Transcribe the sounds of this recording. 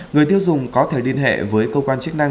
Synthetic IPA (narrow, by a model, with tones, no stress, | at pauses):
ŋɨ˨˩əjt̪i˧əwzʊ˨˩ŋ͡mkɔ˨˦t̪ʰe˧˩ɗi˧ənɦḛ˧˨vəː˨˦jkəː˧wkwaː˧nt͡ɕk̚na˧ŋ